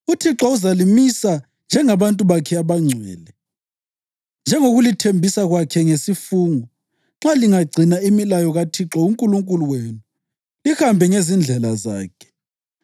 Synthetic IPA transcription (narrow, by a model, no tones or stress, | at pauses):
utʰiǁɔuzalimisa | nd͡ʒʱɛŋaβantʼuβakʰɛaβaŋ͡ǀʱwɛ̰ːlɛ | nd͡ʒʱɛŋoɣulitʰembʱisaɣwakʰɛŋesifuːŋɔ | ŋ͡ǁaliŋaɡ͡ǀʱinaimilajɔɣatʰiǁɔuŋkʼuluŋkʼuluweːnu | lihambʱɛŋezind͡ɮʱɛlaza̰ːkʰɛ̥